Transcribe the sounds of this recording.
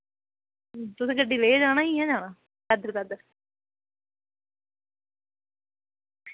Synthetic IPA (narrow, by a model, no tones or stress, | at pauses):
t̪ʊsẽːkəɖiːleːd͡ʒaːnaːiːɦɛ̃ːd͡ʒaːnaː | d̪ad̪əɾd̪ad̪əɾ